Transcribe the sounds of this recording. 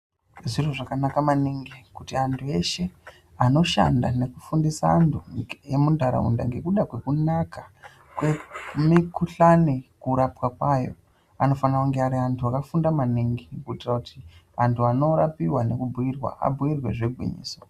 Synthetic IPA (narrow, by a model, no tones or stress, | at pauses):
ʐiro̞ʐakanakamaniŋɡikutiantʰue̞ʃe̞ | ano̞ʃa̰nda̰ne̞kufundisaːntʰuje̞mundʱaɾa̰ṵnda̰ŋɡe̞kuɗakwe̞kunaka | kwe̞mikuɬanekuɾapwakwajo̞̰ | ano̞fanrakuŋɡeaɾiantʰuakafundamaniŋɡikuitirakuti | antʰuano̞ɾapiwane̞kubʱuirwa̰a̰bʱuirwe̞ʐeɡʱwḭɲḭːso